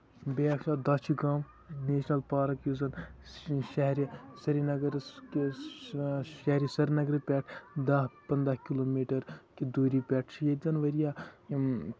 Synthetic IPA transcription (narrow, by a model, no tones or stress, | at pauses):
beɐkʃaːd̪ɐːt͡ʃʰiɡaːm | neːʃnɐlpaːɾɐkjuzɐn | ʃɐɦɾsɐɾinɐɡɐɾ | ʃɐɦɾisɐɾnɐɡɾɨpʲɛːʈʰd̪ɐɦpɐnd̪ɾɐhkiloːmiːʈɐɾkid̪oːɾipʲɛːʈʰt͡ʃʰijed͡zɐnʋɐɾijaː